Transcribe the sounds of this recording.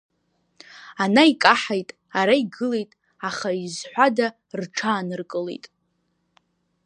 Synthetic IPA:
anaikʼaħajtʼ | aɾaiɡɨle̞jtʼ | aχaizħʷada | rʈ͡ʂʰaːnɨrkʼɨlḛjtʼ

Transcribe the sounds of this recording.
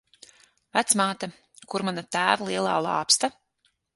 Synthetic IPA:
væt̪smaːt̪a | kuɾmanat̪æːvalˠiɛlˠaːlˠɑ̰ːpst̪a

